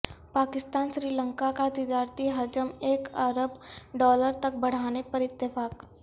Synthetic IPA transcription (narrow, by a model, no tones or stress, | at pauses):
paːkɪst̪aːnʃɾiːlə̃ŋkakat̪ɪd̪aːɾt̪iɦɐd͡ʒəmeːkəɾəbɖɔːləɾt̪ɐk̚bɐɽ̤aːnepəɾɪt̪ːjəfaːk